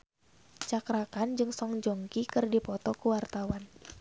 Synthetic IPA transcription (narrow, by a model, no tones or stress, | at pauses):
t͡ʃakɾakand͡ʒɨŋsɔŋd͡ʒɔŋkikɨrdipɔt̪ɔkuwart̪awan